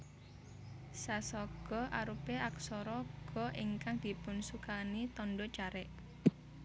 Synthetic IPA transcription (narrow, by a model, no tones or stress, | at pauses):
sasɔɡ̥ɔ̤ʔaɾupeʔak̚sɔɾɔɡ̥ɔ̤ʔiŋkaŋd̪̥i̤pʊnsukanit̪ɔnɖɔt͡ʃaɾɛʔ